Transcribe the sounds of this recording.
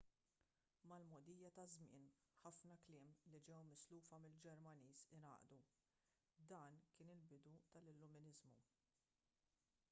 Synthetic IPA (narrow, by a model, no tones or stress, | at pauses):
mɐlmɔd̪iːjɐt̪ɐzmɪ̰ːnħɐfnɐklɪːmlid͡ʒɛwmɪsluːfɐmɪld͡ʒɛɾmɐniːsɪnɐ̰ːʔd̪u | d̪ɐːnkɪːnɪlbɪd̪ut̪ɐlɪlːʊmɪnɪzmṵ